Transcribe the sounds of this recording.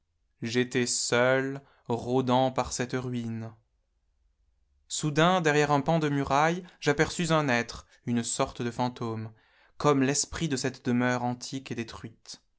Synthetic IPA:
ʒet̪ɛsœl | ʁod̪ɑ̃paʁsɛt̪ʁɥin | sud̪ɛ̃d̪ɛʁjɛʁɛ̃pɑ̃d̪əmyʁajʒapɛʁsyzɛ̃nɛt̪χ | ynsɔʁt̪əd̪əfɑ̃t̪om | kɔmlɛspχid̪əsɛt̪d̪əmœʁɑ̃t̪ʰiked̪et̪χɥit̪

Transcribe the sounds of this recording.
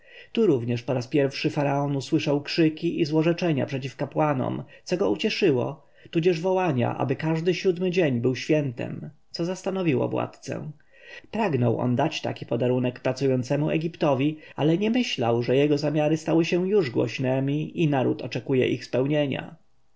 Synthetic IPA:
t̪uɾuvɲɛʂpɔɾaspʲjɛɾfʂɘfaɾaɔnuswɘʂawkʂɘkʲiʔizwɔʐɛt͡ʂɛɲa̰pʂɛt͡ɕifkapwanɔ̰mt̪sɔɡɔut͡ɕɛʂɘwɔ̰ | t̪ud͡ʑɛʐvɔwaɲa̰ʔa̰bɘkaʐd̪ɘɕud̪mɘd͡ʑeɲbɘwɕfʲjɛnt̪ɛ̰mt̪sɔzast̪anɔvʲiwɔ̰vwa̰t̪t̪sɛ̰ | pɾaɡnɔwʔɔ̰nd̪at͡ɕt̪a̰kʲi̥pɔd̪aɾunɛkpɾat̪sujɔnt̪sɛmuɛ̰ɡʲipt̪ɔvʲialɛɲɛmɘɕlawʐɛjɛɡɔzamʲjaɾɘst̪awɘɕɛjuʐɡwɔ̰ɕnɛmʲiinaɾut̪ɔt͡ʂɛkujɛ̰ʔixspɛwɲeɲa̰

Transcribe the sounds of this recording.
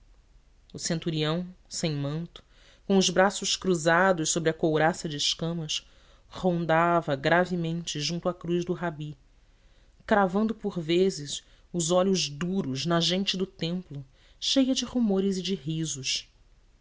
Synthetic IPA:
ʊsẽnt̪uɾiɐ̃w̃sẽj̃mɐ̃nt̪ʊ̥ | kõw̃ʊzbɾasʊʃkɾuzad̪ʊʃsobɾɪɐkowɾasɐd͡ʒɪʃkɐ̃mɐs | hõnd̪avɐɡɾavɪmẽnt͡ʃɪʒũnt̪ʊakɾuzd̪ʊɦabi | kɾavɐ̃nd̪ʊpʊɾvezɪs | ʊzɔʎʊʒd̪uɾʊznɐʒẽnt͡ʃɪd̪ʊt̪ẽmplʊ | ʃejɐd͡ʒɪhumoɾɪzɪd͡ʒɪɦizʊʃ

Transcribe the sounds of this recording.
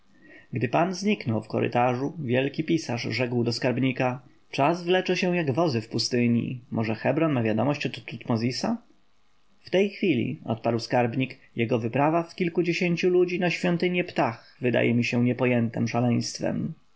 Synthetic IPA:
ɡd̪ɘpanzɲiknɔwfkɔ̰ɾɘ̰t̪aʐuvʲjɛlkʲipʲisaʐʐɛkwd̪ɔskaɾbɲika | t͡ʂazvlɛt͡ʂɛɕɛw̃jaɡvɔzɘfpust̪ɘɲḭmʔɔʐɛxɛbɾɔnmavʲjad̪ɔmɔɕt͡ɕɔt̪t̪ːut̪mɔzʲisa | ft̪ɛjxfʲilʲḭɔ̰t̪̚paɾwskaɾbɲikjɛɡɔvɘpɾavafkʲilkud͡ʑeɕeɲt͡ɕulud͡ʑinaɕfʲjɔnt̪ɘɲɛpt̪ax | vɘd̪a̰jɛmʲiɕɛɲɛpɔjɛnt̪ɛmʂalɛj̃st̪fɛ̰m

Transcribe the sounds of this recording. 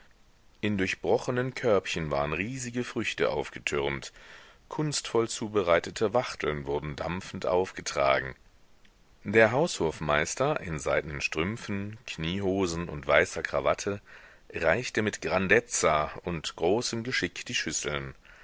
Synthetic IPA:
ʔɪndʊɐçb̥ʁɔχənənkʰœɐpçənva̰ːʁənʁiːzɪɡəfʁ̥ʏçtə̰ʔa̰ʊfɡ̥ətʰʏʁmtkʰʊnstfɔlt͡suːbəʁaɪtətʰəvaχtʰl̩nvʊɐdn̩da̰mfn̩tʔa̰ʊfɡ̥ətʁ̥a̰ːɡŋ̩ | d̥eːɐɦaʊsholfmaɪstɐʔɪnzaɪdnənʃtʁ̥ʏmfn̩kʰniːɦoːzn̩ʊ̰ntv̥aɪsɐkʁ̥a̰va̰tʰə | ʁaɪçtəmɪtɡ̥ʁandɛt͡saʊntɡ̥ʁoːsəmɡəʃɪkd̥iːʃʏsl̩n

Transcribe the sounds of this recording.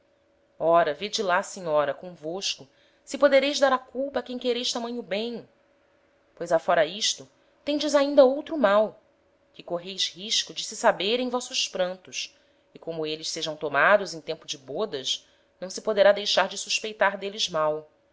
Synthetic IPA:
ɔɾɐved͡ʒɪlasẽɲɔɾɐkõvoʃkʊ | sɪpod̪eɾejʒd̪aɾɐkuwpɐakẽj̃keɾejʃt̪amɐ̃ɲ̃ʊbẽj̃ | pojzafɔɾɐiʃt̪ʊ | t̪ẽd͡ʒɪzaĩnd̪ɐowt̪ɾʊmaw | kɪkoɦejʃhiʃkʊd͡ʒɪsɪsabeɾẽj̃vɔsʊspɾɐ̃nt̪ʊs | ɪkõmʊelɪʃseʒɐ̃w̃t̪omad̪ʊzẽj̃t̪ẽmpʊd͡ʒɪbod̪ɐʃ | nɐ̃w̃sɪpod̪eɾad̪ejʃaɾd͡ʒɪsuʃpejt̪aɾd̪elɪzmaw

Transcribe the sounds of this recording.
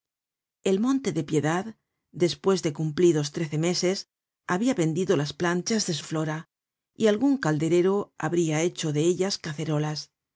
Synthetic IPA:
e̞lmõ̞nt̪e̞ðe̞pje̞ðað | d̪e̞spwe̞zðe̞kumpliðo̞st̪ɾe̞θe̞me̞se̞s | aβiaβe̞nd̪iðo̞lasplant͡ʃazðe̞s̬uflo̞ɾa | ialɣuŋkald̪e̞ɾe̞ɾo̞a̰βɾiae̞t͡ʃo̞ðe̞eʎaskaθe̞ɾo̞las

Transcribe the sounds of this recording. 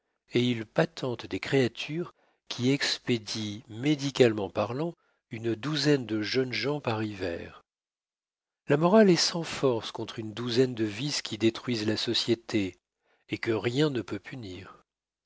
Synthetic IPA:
eilpat̪ʰɑ̃t̪d̪ekχeat̪ʰyʁ | kʲʰiɛksped̪imed̪ikʲalmɑ̃paʁlɑ̃ | ynd̪uzɛnd̪əʒœnʒɑ̃paʁivɛ̰ːʁ | lamɔʁalɛsɑ̃fɔʁskɔ̃t̪χynd̪uzɛnd̪əviskʲʰid̪et̪χɥizlasɔsjet̪ʰe | ekəʁjɛ̃nəpøpʰyniːʁ

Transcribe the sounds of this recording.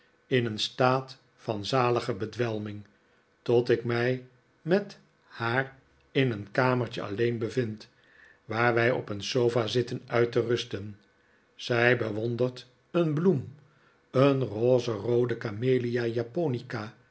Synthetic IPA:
ɪnənstaːt | fɑnzaːləχəbədʋɛlˠmɪŋ | tɔtɪkmɛj | mɛt | haːr | ɪnənkaːməɹt͡ʃə̰ʔɑ̰lejnbəvɪnt | ʋaːɹʋɛjɔ̰pənsowfazɪtənœɥtərɵstən | z̥ɛjbəʋɔndərt | ənblum | ənroːzərowdəkameːlijajaponika

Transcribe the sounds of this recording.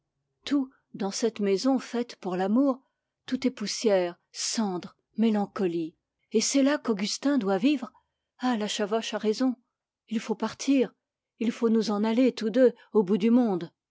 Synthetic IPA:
t̪ʰu | d̪ɑ̃sɛt̪mezɔ̃fɛt̪puʁlamuːʁ | t̪ut̪ɛpusjɛʁ | sɑ̃d̪ʁ | melɑ̃kɔli | esɛlakɔɡʲyst̪ɛ̃d̪wavivʁ | alaʃavɔʃaʁezɔ̃ | ilfopaʁt̪ʰiːʁ | ilfonuzɑ̃nalet̪ud̪ø | obud̪ymɔ̃d̪

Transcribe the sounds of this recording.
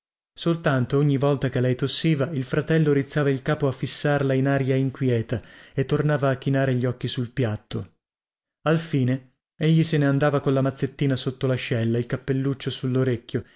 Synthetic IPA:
solt̪ant̪ooɲːivɔlt̪akelːɛjt̪osːiːvailfɾat̪ɛlːoɾit̪sːaːvailkaːpoafːisːarlainaɾjaiŋkwjɛːt̪aet̪ːornaːvaːkːinaːɾeʎːɔkːisulpjat̪ːo | alfiːne | eʎːiseneand̪aːvakonlamat̪sːet̪ːiːnasot̪ːolaʃɛlːailkapːelːut͡ʃːosulːoɾekʲːjo

